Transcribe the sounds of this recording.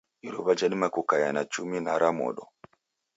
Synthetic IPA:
iɾɔβad͡ʒanimakukajanat͡ʃuminaɾamɔ̰ɗɔ

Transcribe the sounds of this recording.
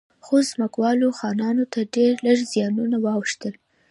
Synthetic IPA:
xozməkwɑloxɑnɑnot̪aɖeɾləɽzjɑnunawɑwʃt̪əl

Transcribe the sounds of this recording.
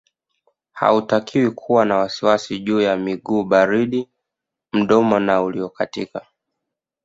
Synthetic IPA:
ha̰utakiwikʰuwanawasiwasiʄuːjamiɡuːɓaɾiɗi | m̩ɗɔmɔnauliɔkatika

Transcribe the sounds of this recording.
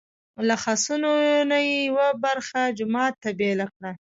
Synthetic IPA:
laxɑsunonajejawabaɾxad͡ʒʊmɑt̪ːabelakɽa

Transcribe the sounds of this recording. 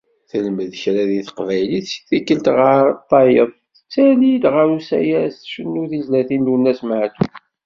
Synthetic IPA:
θələməðçɾæðiθə̥qvæjliθsi̥θikːəlt̪ʁəɾt̪ˤːɑjəðˤ | t͡sːælid̪ʁausæ̰jæsθʃənːuθizlæθind̪unːæsmʕat̪u

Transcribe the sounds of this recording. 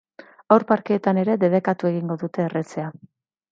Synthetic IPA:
awɾpaɾkeːt̪ane̞ɾe̞ðe̞ðe̞kat̪ue̞ɣiŋɡo̞ðut̪e̞ːre̞t͡se̞a

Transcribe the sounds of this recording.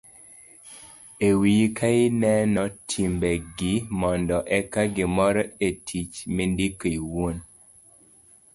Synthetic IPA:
ewikʰaɪnɛnɔtʰimbɛɡɪmɔndɔʔɛkaɡɪmɔɾɔetʰit͡ʃmendikoiwon

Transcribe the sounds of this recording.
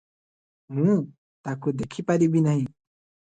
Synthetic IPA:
mũ | t̪akud̪ekʰipaɾibinaɦĩ

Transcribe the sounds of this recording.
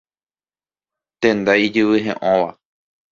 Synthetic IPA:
t̪ẽnd̪aid͡ʒɨβɨɦẽʔõʋa

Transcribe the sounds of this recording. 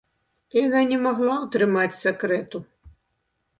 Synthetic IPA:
jɐnanʲɛmɔɦlˠaut̪ɾɪmatʲsʲekɾɛt̪ʊ

